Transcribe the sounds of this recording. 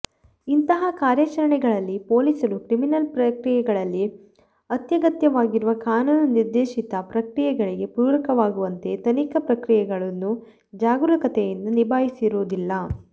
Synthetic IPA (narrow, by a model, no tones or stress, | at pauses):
int̪ɐɦɐkaːɾjɐt͡ʃɐɾɐɳɛɡɐɭɐlːipo̞ːlisɐɾukɾiminɐlpɾɐkɾijɛɡɐɭɐlːi | ɐt̪jɐɡɐt̪jɐʋaːɡiɾuʋɐkaːnuːnɐniɾd̪eːʃit̪ɐpɾɐkɾijɛɡɐɭiɡe̞puːɾɐkɐʋaːɡuʋɐnt̪e̞t̪ɐnikɐpɾɐkɾijɛɡɐɭɐnːu | d͡ʒaːɡulɐkɐt̪ɛjɐnːunibʱaːjisiɾoːd̪ilːɐ